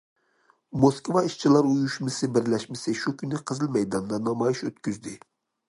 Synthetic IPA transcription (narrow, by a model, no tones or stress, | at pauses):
moskvɑiʃt͡ʃʰilˠɑɾujuʃmɨsɨbɪɾlɛʃmɪsɨʃukʲynːɨqʰəzɨlˠmɛjd̪ɑnd̪ɑnɑmɑjiʃøt̪kʲyzd̪ɪ